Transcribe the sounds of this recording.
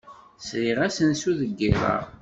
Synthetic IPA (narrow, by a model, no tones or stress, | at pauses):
sɾiʁæsənsuðəɡːiɾˤə̰ɾ